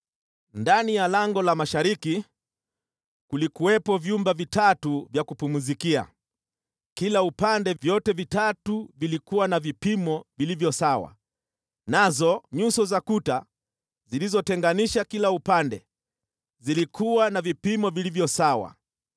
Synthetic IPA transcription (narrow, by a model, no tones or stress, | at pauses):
ndanijalaŋɡɔlamaʃaɾiki | kulikuwɛpɔvjumbavitatuvjakupumuzikia̰ | kilaupandɛvjɔtɛvitatuvilikuwanavipimɔvilivjɔsawa̰ | nazɔɲusɔzakuta | zilizɔtɛŋɡaniʃakilaupandɛ | zilikʰuwanavipimɔvilivjɔsawa̰